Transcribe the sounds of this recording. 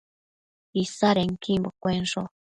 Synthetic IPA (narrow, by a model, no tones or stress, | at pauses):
isaɾeŋkʰimbokʷenʐo